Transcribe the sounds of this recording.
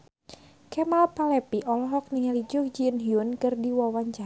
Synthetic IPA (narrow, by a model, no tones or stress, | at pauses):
kɛmalpalɛpiʔɔlɔɦɔk̚niŋalid͡ʒʊk̚d͡ʒinɦiunkɨrdiwawaɲt͡ʃa